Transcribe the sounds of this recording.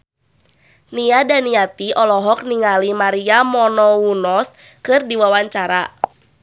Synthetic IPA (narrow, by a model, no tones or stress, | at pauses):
niadaniat̪iʔɔlɔɦɔk̚niŋalimaɾiamɔnɔunɔs | kɨrdiwawaɲt͡ʃaɾa